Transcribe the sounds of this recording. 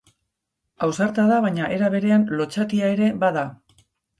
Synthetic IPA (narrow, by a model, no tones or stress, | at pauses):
awsaɾt̪aðaβaɲaʔe̞ɾaβ̞e̞ɾe̞anlo̞t͡ʃat̪iae̞ɾe̞baða